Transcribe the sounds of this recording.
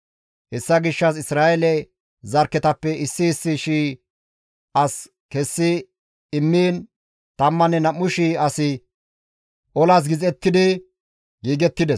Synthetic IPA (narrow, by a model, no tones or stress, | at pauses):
hɛsːɐɡɪʃːɐs̬ɪsɾaːʔɛlɛ | zɐɾkːɛt̪ɐpːɛɪsːɪːsːɪʃiː | ʔɐs | kɛsːɪ | ɪmːiːn | t̪ɐmːɐnɛnɐmːʊʃiɐsɪ | ʔɔlas̬ɡɪzɛt̪ːɪd̪ɪ | ɡiːɡɛt̪ːɪd̪ɛs